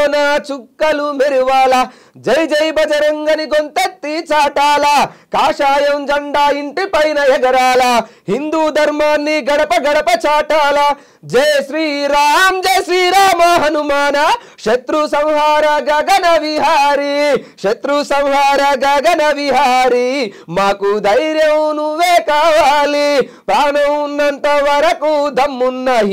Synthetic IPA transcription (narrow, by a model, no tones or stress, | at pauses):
nat͡ʃukːɐlumeɾiʋaːlɐ | d͡ʒɐjd͡ʒɐjbɐd͡ʒɐɾɐŋɡɐniɡont̪ɐt̪ːiːt͡ʃaːʈaːlɐkaːʂaːjɐmd͡ʒɐɳɖaːiɳʈipɐjinɐjɐɡɐɾaːlɐhind̪uːd̪ʱɐɾmaːnːiɡɐɽɐpɐɡɐɽɐpɐt͡ʃaːʈaːlɐ | d͡ʒɐjʃɾiːɾaːmd͡ʒeʃɾiːɾaːmaːɦɐnumaːnɐkʂɐt̪ɾusɐ̃wɦaːɾɐɡɐɡɐnɐʋiɦaːɾikʂɐt̪ɾusɐ̃w̃ɦaːɾɐɡɐɡɐnɐʋiɦaːɾimaːkud̪ɐjɾjɐnuʋeːkaːʋaːli | pɾaːɳɐmunːɐnt̪ɐʋɐɾɐkud̪ɐmːunːɐ